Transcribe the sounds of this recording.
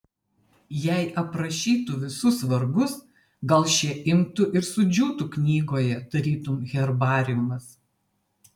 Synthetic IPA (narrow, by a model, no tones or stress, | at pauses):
jɛˑɪʔɐpɾɐʃʲiːt̪ʊʋʲɪsʊsʋɐɾɡʊs | ɡɐlˠʃʲɛʔɪmt̪ʊʔɪɾsʊd͡ʒʲuːt̪ʊknʲiːɡoːjɛd̪ɐɾʲiːt̪ʊmɣʲɛɾbɑːɾʲɪjʊmɐs